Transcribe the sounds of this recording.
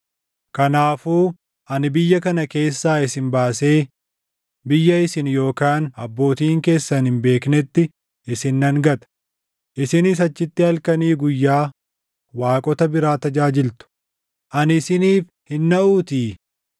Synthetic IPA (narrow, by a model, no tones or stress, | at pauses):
kɐnaːfuː | ʔɐnɪbɪjːɐkɐnɐke̞ːsːaːɪsɪnbaːse̞ː | bɪjːɐɪsɪnjo̞ːkaːnɐbːo̞ːt̪iːŋke̞ːsːɐnhɪmbe̞ːknɛt̪ːɪ | ʔɪsɪnːɐŋɡɐt̪ɐ̥ | ʔɪsɪnɪs̬ɐt͡ʃːɪt̪ːɪhɐlkɐniːɡʊjːaː | waːkʼɔt̪ɐbɪɾaːt̪ɐd͡ʒaːd͡ʒɪlt̪ʊ̥ | ʔɐnɪsɪniːf | hɪnːɐʔuːt̪iː